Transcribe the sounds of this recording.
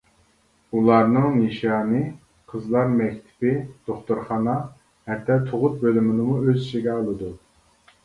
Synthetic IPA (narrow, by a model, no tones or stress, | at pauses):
ulˠɑɾnɨŋjeʃɑːnɨ | qʰəzlˠɑɾmɛkʲt̪ʰɪ̥pɪd̪̥oχt̪uɾχɑnɑ | hɛt̪ʰːɛt̪ʰoʁʊt̪̚bølymɪnɨmuøziʃiɡʲɛɑlˠɨd̪u